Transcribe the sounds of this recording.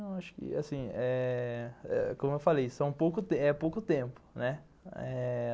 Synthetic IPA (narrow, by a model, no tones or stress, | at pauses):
aʃʊ̥kɪ̰a̰sĩɛ | ɛ̰kõmʊewfalejsɐ̃w̃powkʊt̪eɛpowkʊt̪ẽpʊ̥nɛ | ɛ